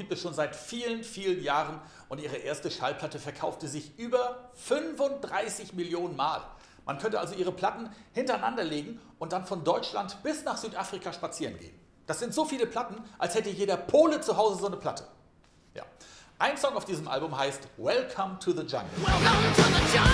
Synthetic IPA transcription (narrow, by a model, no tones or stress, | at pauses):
ɡ̥iːp̚tɛsʃoːnzaɪtfiːlənfiːlənjaːʁən | ʔʊntʔiːʁ̞əʔeːɐstəʃalpʰl̥atəfɛɐkʰaʊftəzɪçʔyːbɐfʏnfʊnt̚d̥ʁaɪsɪçmɪljoːnənmaːl | mʔankʰœntəʔa̰lzoʔiːʁ̞əpʰl̥atn̩hɪntɐaɪnandɐleːɡŋ̩ʔʊntd̥anfɔndɔʏt͡ʃla̰ntb̥ɪsnaːχz̥yːtʔaːfʁ̥ikʰaʃpat͡siːʁənɡḛːn | d̥asz̥ɪntz̥oːfiːləpʰl̥atn̩ʔalshɛtəjeːɾɐpʰoːlət͡suɦaʊzəzoːnəpʰl̥atʰə | ja̰ːʔaɪnsɔŋaʊfd̥iːzəmʔa̰lbʊmɦaɪstwɛlkʰɐmtʰuðəd͡ʒa̰ŋɡə | ɛa